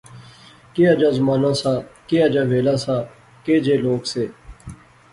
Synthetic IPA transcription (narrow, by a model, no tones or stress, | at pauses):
keːad͡ʒãːzmaːnãːsaːkeːaːd͡ʒãːʋeːlãːsaː | keːd͡ʒeːloːkseː